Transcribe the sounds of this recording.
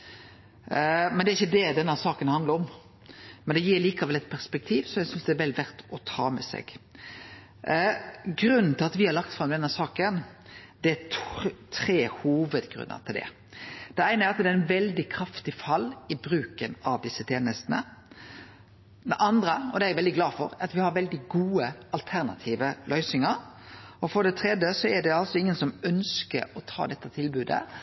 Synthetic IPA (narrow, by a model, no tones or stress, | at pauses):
mɛnd̪ɛæɾɪçːəd̪ɛd̪ɛnːəsɑːkənhɑnd̪əɾɔm | mɛnd̪ɛjiːɾliːkɑʋɛlɛt̪̚pʰæɾspɛk̚t̪ʰiːʋsɔjɛsʏnsd̪ɛæɾʋɛlːʋæɾt̪ɔt̪ʰɑːmɛ̰sɛ̰ɡ̥ | ɡɾʉnn̩t̪ʰɪlɑt̪ʋɪhɑɾɭɑkt̪fɾɑmd̪ɛnːəsɑːkən | d̪̥ɛæt̪ʰɾeːhuːʋəd̪ɡɾʉ̰nːə̰t̪ʰɪld̪ɛ̰ | d̪̥ɛæɪnəæɾɑt̪d̪ɛæɪnʋɛld̪ɪkʰɾɑft̪ɪfɑlːɪbɾʉːkənɑʋd̪ɪsːət̪ʰeːnəst̪nə̰ | d̪ɛʔɑnd̪ɾəɔd̪ɛæɾʋɛld̪ɪɡlɑːfɔ̰ɾɑt̪ʋɪhɑɾʋɛld̪ɪɡuːəɑlt̪ʰæɾnɑ̰t̪ʰiːʋəlʔœʏsɪŋəɾɔfɔɖɛt̪ʰɾɛd̪jəsɔɛɖɛɑlsɔɪŋːənsɔmœnskə̰ɾɔt̪ʰɑ̰ːd̪ɛt̪ːət̪ʰɪlbʉːd̪ə̰